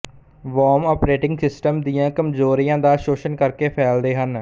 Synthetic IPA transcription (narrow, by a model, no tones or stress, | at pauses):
ʋɔːmɔːpɾeːʈɪ̃ŋɡsɪsʈəmd̪ijãːkəmzoːɾijãːd̪aːʃoːʃənkəɾkeːpʰɛːld̪eːɦən